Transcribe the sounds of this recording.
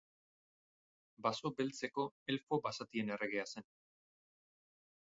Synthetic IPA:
baso̞be̞lt͡se̞ko̞e̞lfo̞basat̪iene̞re̞ɣ̞ease̞n

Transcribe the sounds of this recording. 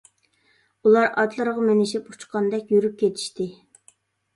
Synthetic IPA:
ulˠɑɾʔɑt̪lˠəɾəʁɑmenɪʃipu̥t͡ʃqʰɑnd̪ɛkʲjyɾyp̚kʲet̪ʰi̥ʃt̪ɪ

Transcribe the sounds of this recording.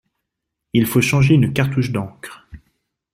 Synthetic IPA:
ilfoʃɑ̃ʒeynkaʁt̪uʃd̪ɑ̃kχ

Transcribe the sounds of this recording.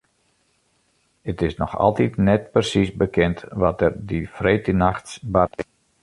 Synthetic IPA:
ətɪsnɔ̰xɑ̰lˠtitnɛt̚pərsisbəkʰɛntʋɔtɛrdifreːtənaxtsba

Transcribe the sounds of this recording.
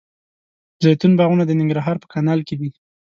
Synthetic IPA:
zajt̪unbɑɣunad̪ənɪŋɡɾaɦɑɾpə̥kanɑlked̪i

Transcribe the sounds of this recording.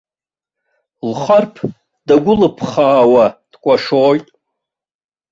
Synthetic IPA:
lχarpʰ | daɡʷʊlɨpʰχaːwad̥kʷʼaʂoːjtʼ

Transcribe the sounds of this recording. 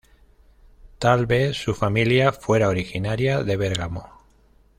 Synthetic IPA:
t̪alβe̞θsufamiljafwe̞ɾaoɾixinaɾjaðe̞βe̞ɾɣamo

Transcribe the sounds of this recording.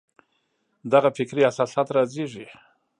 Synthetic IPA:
d̪aɣafɪkɾiasɑsat̪ɾazeʐi

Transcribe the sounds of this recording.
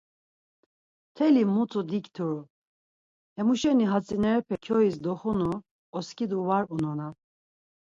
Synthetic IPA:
t̪ʰɛlimut̪ʰud̪ikt̪ʰu | hɛmuʃɛniɦat͡sʼinɛɾɛpʰɛkʰɔis̬d̪ɔχunu | ɔskʰʼid̪uvaɾunɔna

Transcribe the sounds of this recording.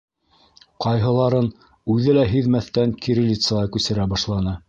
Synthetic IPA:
qɑjɦɤ̆lˠɑɾɤn | ʉðɘlæɦiðmæθt̪æŋkiɾɘ̆lʲit̪sɤ̆lɑkʉsɘ̆ɾæbɑʃlˠɑnɤ

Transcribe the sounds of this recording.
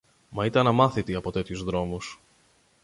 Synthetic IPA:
mɐit̪eɐnɐmɐθit̪iɐpo̞t̪e̞t̪çuzðɾo̞mus

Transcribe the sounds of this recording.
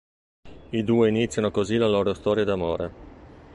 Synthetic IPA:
id̪uːeinit̪sːjanokozilalɔːɾost̪ɔːɾjad̪amo̰ːɾe

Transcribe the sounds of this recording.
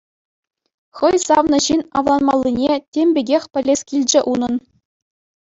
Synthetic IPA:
χɤ̆jsɑʋnɤ̆ɕinɑ̰ʋlˠɑnmɑlʲˠːinʲetʲemʲbʲeɡʲexʲpʲɘ̆lʲːesʲkʲilʲd͡ʑɘ̆ʔunɤ̆n

